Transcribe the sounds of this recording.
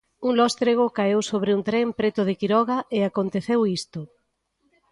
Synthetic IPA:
uŋlɔst̪ɾeɣokaewsoβɾɪunt̪ɾɛmpɾet̪ʊðɪkiɾɔɣaeakont̪eθewist̪ʊ

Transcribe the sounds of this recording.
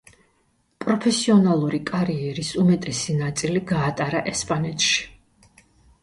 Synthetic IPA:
pʼɾɔpʰɛsiɔnalˠuɾikʼaɾiɛɾisumɛt̪ʼɛsinat̪sʼiliɡaːt̪ʼaɾaʔɛspʼanɛt̪ʰʼʃi̥

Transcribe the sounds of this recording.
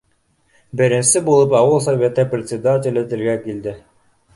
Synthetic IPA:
bɪɾɪ̆nsɪbolˠɤpɑwɤlˠs̬avʲet̪ːeprʲet̪ʲsʲed̪atʲɪlʲet̪ɪɾɡækild̪ɪ

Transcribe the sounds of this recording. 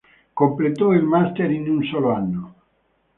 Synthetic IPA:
komplet̪ɔilmast̪eɾinunsoloanːo

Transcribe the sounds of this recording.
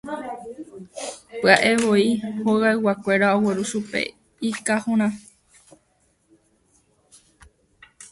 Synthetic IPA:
pɨaʔe̞ʋoihoɣaɨwakʷe̞ɾaoweɾuʃupḛ | ikahũɾ̃ã

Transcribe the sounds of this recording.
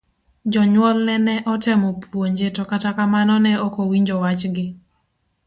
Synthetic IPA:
d͡ʒɔɲwɔlnɛnɛʔɔtɛmɔpʰwoɲd͡ʒetɔkatakamanɔnɛɔkowiɲd͡ʒɔwat͡ʃɡɪ

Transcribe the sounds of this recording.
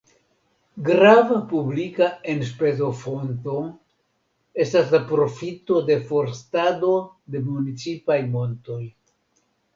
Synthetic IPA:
ɡɾavapublikae̞nspe̞zo̞fo̞nto̞ | e̞staslapɾo̞fito̞de̞fo̞ɾstado̞ | de̞munit͡sipajmo̞nto̞j

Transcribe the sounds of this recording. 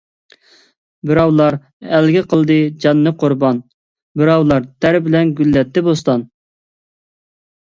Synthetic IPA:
bɪɾɑwlˠɑɾ | ælɡʲɪqʰəlˠd̪ɨd͡ʒɑnːɨqʰoɾbɑn | bɪɾɑwlˠɑɾt̪ʰæɾbɪlɛnɡʲylːɛt̪ʰːɪbost̪ɑn

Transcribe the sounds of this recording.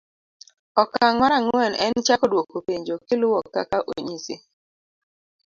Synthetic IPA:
ɔkaŋwɔɾaŋɛnɛnt͡ʃakɔdwokopeɲd͡ʒokɪlʊwɔkːa̰kaʔoɲisɪ̰

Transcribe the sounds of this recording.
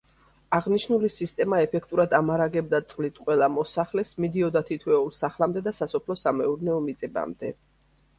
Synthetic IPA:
aʁniʃnulisist̪ʼɛmaɛpʰɛkʰt̪ʼuɾad̪amaɾaɡɛb̚d̪at̪sʼqʼlit̪ʰqʼwɛlˠamɔsaχlɛsmid̪iɔd̪at̪ʰit̪ʰwɛulˠsaχlamd̪ɛd̪asasɔpʰlɔsamɛuɾnɛɔmit̪sʼɛba̰md̪ɛ

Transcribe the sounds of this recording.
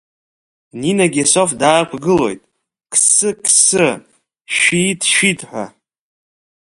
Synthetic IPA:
ninaɡʲeso̞fdaːkʷʰɡɨlo̞̰jtʼ | kʰsɨkʰsɨ | ʃitʰʃitʰʼħʷa̰

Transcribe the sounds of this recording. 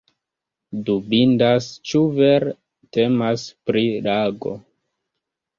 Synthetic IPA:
dubindast͡ʃuveɾ | te̞maspɾilaɡo̞̰

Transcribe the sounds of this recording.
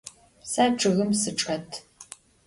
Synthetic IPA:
saːʈ͡ʂʼɨɣɨmsɨʈ͡ʂʼɐtʰ

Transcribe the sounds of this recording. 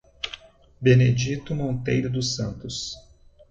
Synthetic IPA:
bened͡ʒit̪ʊmõnt̪ejɾʊd̪ʊsɐ̃nt̪ʊs

